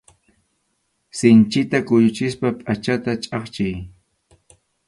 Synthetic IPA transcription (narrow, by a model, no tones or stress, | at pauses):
sɪnt͡ʃɪt̪akʊjʊt͡ʃɪspapʼat͡ʃat̪at͡ʃʼɑχt͡ʃɪj